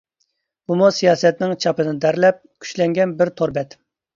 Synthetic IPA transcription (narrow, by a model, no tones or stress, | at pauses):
b̥umusijɑːsɛt̪nɪŋt͡ʃʰɑpɨd̪ɨnd̪æɾlɛp̚kʲʰy̥ʃlɛŋɡʲɛnbɪɾt̪ʰoɾbɛt̪